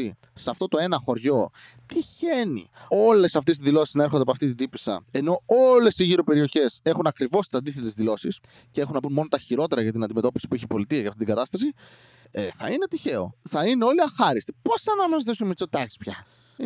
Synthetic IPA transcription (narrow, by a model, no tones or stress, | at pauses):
i | sɐft̪o̞t̪o̞e̞nɐxo̞ɾʝo̞ | t̪içe̞nḭo̞le̞sɐft̪esizðilo̞si̥znɐe̞ɾxond̪epoɐft̪it̪id̪ipisɐ̰e̞no̞o̞le̞siʝiɾo̞pe̞ɾio̞çe̞se̞xunɐkɾivo̞st̪i̥sɐnd̪iθe̞t̪e̞zðilo̞sis | cee̞xunɐpunmo̞no̞t̪ɐçiɾo̞t̪e̞ɾɐʝɐt̪inɐnd̪ime̞t̪o̞pisi̥puiçepo̞lit̪iɐjɐft̪it̪iɡɐt̪ɐst̪ɐsi | eθɐ̰ine̞t̪içe̞o̞̰θɐineo̞liɐxɐɾist̪iposɐnɐmɐzt̪isunmet͡sot̪ɐci̥spçɐ